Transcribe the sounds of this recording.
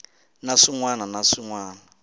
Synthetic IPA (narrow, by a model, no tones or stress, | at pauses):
naʂiŋwananaʂiŋwaːna